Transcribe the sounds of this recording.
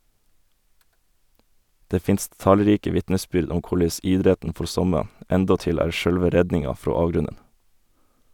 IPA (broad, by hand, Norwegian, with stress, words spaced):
ˈdeː ˈfɪnst ˈtɑlˌɾiːkə ˈʋɪtnəˌsbʏɾd ˈʊm ˈkʊɭeɪs ˈɪdɾɛtn̩ ˈfɔɾ ˈsɔmə ˈɛndɔˌtɪl ˈæːɾ ˈʃœlʋə ˈɾɛdnɪŋɑ ˈfɾoː ˈɑːʋˌɡɾʉnən